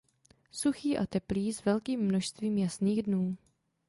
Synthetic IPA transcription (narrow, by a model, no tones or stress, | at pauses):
suxiːʔa̰t̪ɛpliːzvɛlkiːmːnoʃst̪viːmjasniːɣdnuː